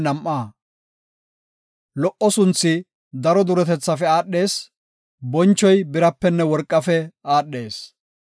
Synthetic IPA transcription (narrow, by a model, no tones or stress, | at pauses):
nɐmʔːaː | lɔʔːɔsʊnt͡sːɪ | d̪ɐɾɔd̪ʊɾɛt̪ɛt͡sːɐfɛaːɗːe̞ːs | bɔnt͡ʃːɔjbɪɾɐpːɛnːɛwɔɾkʼːɐfɛaːɗːe̞ːs